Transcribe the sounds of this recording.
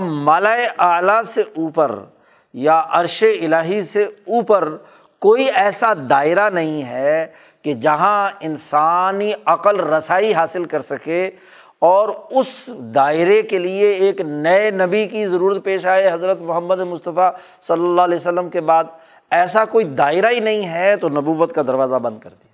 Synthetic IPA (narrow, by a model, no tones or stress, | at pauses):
maːlaːeʔaːlaseʔuːpə̰ɾ | jaʔɐɾʃeɪlaːɦiseuːpəɾ | koːiɛːsad̪aːɪɾanɐɦĩɦɛ | ked͡ʒɐɦãɪnsaːniɐqəlɾɐsaːiɦaːsɪlkɐɾsɐke | ɔːɾʊsd̪aːɪɾekelieeːknɐenɐbikizɐɾuːɾət̪̚peːʃaːeɦɐzɾət̪mʊɦəmːəd̪emʊst̪əfa | sɐlːəlːaːɦlɛːsəlːəmkebaːd̪̚ | ɛːsakoːid̪aːɪɾainɐɦĩɦɛt̪onɐbuːʋət̪kad̪ɐɾʋaːzabɐ̃nd̪̚kɐ̰ɾd̪ia